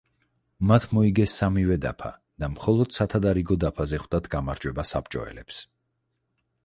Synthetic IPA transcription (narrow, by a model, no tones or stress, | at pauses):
mat̪ʰmɔiɡɛsːamivɛd̪a̰pʰa̰ | d̪̥amχɔlˠɔd̪̥sat̪ʰad̪aɾiɡɔd̪apʰazɛχwd̪at̪ʰɡamaɾd͡ʒwɛbasapt͡ʃʼɔ̰ɛ̰lɛps